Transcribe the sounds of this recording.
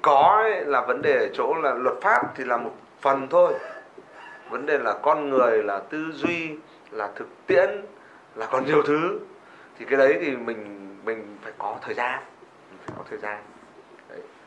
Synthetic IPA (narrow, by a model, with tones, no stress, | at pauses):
kɔ˨˦laː˨˩və˨˦nɗe˨˩˨t͡ɕo̰˧˥laː˨˩lwə˨˩t̚faː˦˥p̚t̪ʰi˨˩laː˨˩mo˨˩t̚ | fə˨˩nt̪ʰo˧j | və˨˦nɗe˨˩laː˨˩kɔ˧nŋɨ˨˩əjlaː˨˩t̪ɨ˧zwi˧ | laː˨˩t̪ʰɨ˨˩k̚t̪ḭ˧˨ən | laː˨˩kɔ˨˩nɲi˨˩əwt̪ʰɨ˨˦ | t̪ʰi˨˩kaː˨˦jɗə˨˦jt̪ʰi˨˩mï˨˩ŋ̟mï˨˩ŋ̟faː˧˩jkɔ˨˦t̪ʰəː˨˩jzaː˧n | mi˨˩ŋ̟faː˧˩kɔ˨˦t̪ʰəː˨˩jzaː˧n | ɗə˨˦j